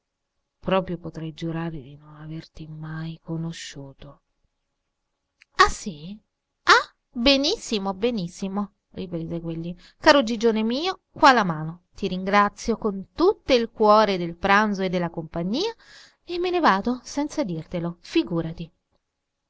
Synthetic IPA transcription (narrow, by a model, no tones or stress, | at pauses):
pɾɔːpɾjopot̪ɾɛjd͡ʒuɾaːɾed̪inonavert̪imajkonoʃːuːt̪o | asi | a | benisːimobenisːimo | ripɾeːzekwelːi | kaːɾod͡ʒid͡ʒoːnemiːokwalamaːnot̪iɾiŋɡɾat̪sːjokont̪ut̪ːoilkwɔːɾed̪elpɾanzoed̪ːelːakompaɲːiːa | emːenevaːd̪osɛnt̪sad̪irt̪elofiɡuːɾat̪i